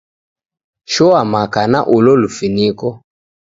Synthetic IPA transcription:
ʃɔamakanaʔulɔlufinikɔ

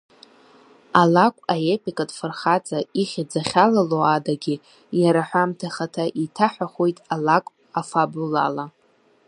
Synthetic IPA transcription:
alakʷʼaepʼikʼadʼfɨrχat͡sʼaiχʲad͡zaχʲalaloadaɡʲɪ | jaɾaħʷᶣamtʰaχatʰaʔitʰaħʷᶣaχʷojtʼalakʷʼ | afabula̰la

